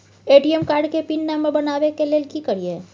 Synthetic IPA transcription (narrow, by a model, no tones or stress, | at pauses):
eːʈiəmkaːɾɖkepinːamːəɾbɐnaːʋekeleːlkikəɾie